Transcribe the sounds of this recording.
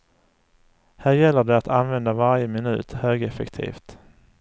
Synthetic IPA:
hæːɾjɛlːəɖɛat̪ʰanvɛnd̪avaɾjəmɪnʉ̟̰ːt̪høːɡɛfɛ̰kt̪ʰḭːft̪

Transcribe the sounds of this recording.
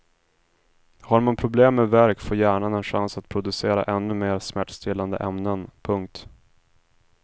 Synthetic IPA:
haɾmanpʰɾʊbleːmːevæɾkfoːjæːɳanɛnɧansat̪̚pʰɾʊd̪ɵseːɾa̰ʔɛnːɵmeːɾsmæʈːst̪ɪland̪ə̰ʔɛmnənpʰɵŋk̚t̪

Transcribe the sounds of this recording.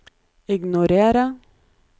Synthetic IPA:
ɪɡnʊɾeːɾə

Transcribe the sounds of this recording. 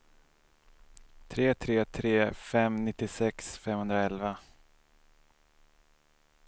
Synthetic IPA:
t̪ʰɾeːt̪ʰɾeːt̪ʰɾeːfɛmnɪt̪ːɪsɛksfɛmhɵnd̪ɾaɛlva

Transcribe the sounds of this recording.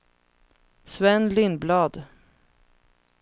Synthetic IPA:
svɛnlɪnblɑːd̪

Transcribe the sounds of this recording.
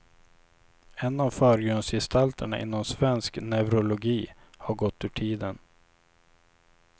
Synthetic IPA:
ɛnːavfœːɾɡœnsjɛst̪ʰalt̪ʰəɳaʔɪ̰nːɔmsvɛnsknɛvɾʊlʊɡiː | haɾɡɔt̪ːʉːʈʰiːd̪ən

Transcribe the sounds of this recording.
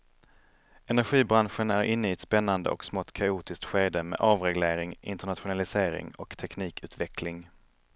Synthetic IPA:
ɛnæɾɧiːbɾanɧənæɾʔɪnːəɪːɛt̪spɛnːand̪ə̰ʔɔ̰ksmɔt̪kʰauːt̪ɪsk̚t̪ɧeːd̪əmḛːʔɑːvɾɛɡleːɾɪŋɪ̰nt̪əɳat̪ɧʊnalɪseːɾɪ̰ŋɔkt̪ʰɛkniːkʰʉ̟ːt̪vɛkʰlɪŋ

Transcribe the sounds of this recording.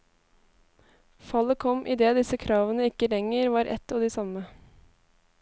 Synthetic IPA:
fɑləkʰɔmʔid̪eːd̪ɪsəkʰɾɑːʋənəɪkəlɛŋəɾʋɑːɾʔɛ̰t̪ɑːd̪iːsɑmə

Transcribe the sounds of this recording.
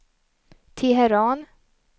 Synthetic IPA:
t̪ʰɪɦɛɾɑːn

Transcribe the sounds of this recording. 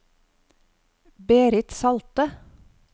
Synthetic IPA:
beːɾɪt̪sɑlt̪ə

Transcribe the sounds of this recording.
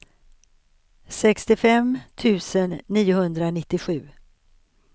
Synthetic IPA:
sɛkst̪ɪfɛmt̪ʰʉ̟ːsənːiːʊhɵnd̪ɾanɪt̪ːɪɧʉ̟ː

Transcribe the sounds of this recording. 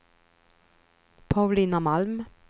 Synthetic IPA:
pʰaʉliːnamalm

